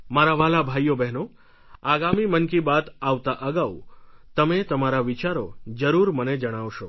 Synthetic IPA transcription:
maɾaʋalabʱajobɛɦno | aɡamimənkibat̪aʋt̪aʔəɡaut̪əmet̪əmaɾaʋit͡ʃaɾod͡ʒəɾuɾməned͡ʒəɽ̃aʋʃo

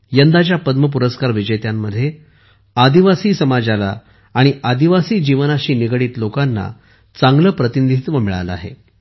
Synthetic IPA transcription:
jənd̪at͡ɕjapəd̪məp̬uɾəskaɾʋid͡ʑəjt̪jamːəd̪ʱːje | ad̪iʋasiːsəmad͡ʑala̰ː | ɽ̃iad̪iʋasiːd͡ʑiʋənaɕiːniɡɽiːt̪lokanːa̰ | t͡saŋɡləpɾət̪inid̪ʱit̪ʋəmiɭa̰ləa̰ɦḛ

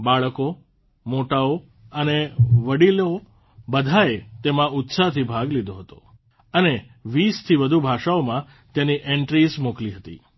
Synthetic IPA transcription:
baɭəko | moʈao | əneʋəɽilo | bəd̪ʱaet̪emãʊt̪sat̪ʰibʱaɡlid̪oɦət̪o̰ | əne | ʋist̪ʰiʋəd̪ʱubʱaʃaomã | t̪jãniʔeɳʈɾismokliɦət̪ḭ

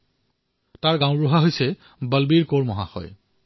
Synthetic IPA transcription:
taɹɡãʊ̃bɹuɦaɦojsɛ | bəlbiɹkoɹmɔɦa̰xɔ̰j

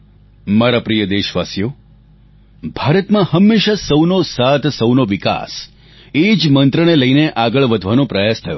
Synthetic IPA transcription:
maɾapɾijəd̪eʃʋasjo | bʱaɾət̪mãhəmːeʃasəwnosat̪ʰsəwnoʋika̰s | ed͡ʒmənt̪ɾəneləjneʔaɡəɭʋəd̪ʱʋanõpɾəjast̪ʰəjo̰

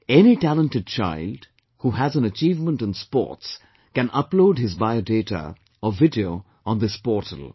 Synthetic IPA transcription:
ɛnitælə̃ntɨd̚t͡ʃa̰ɪld | huɦæzə̃nət͡ʃiːvmə̃ntə̃nspɔ̰ɹts | kɨ̃nʔʌploʊɖhɪzbaɪodeːtə̰ | əvɪdioʊ | ə̃nðɪspɔːtʰə̰lˠ

